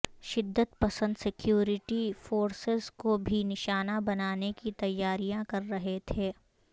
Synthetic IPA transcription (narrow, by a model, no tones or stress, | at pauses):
ʃɪd̪ːət̪pɐsə̃nd̪sɪkjuːɾɪʈifoːɾsɪzkobʱinɪʃaːnabɐnaːnekit̪ɐjːaːɾijãkɐɾːɐɦet̪ʰeː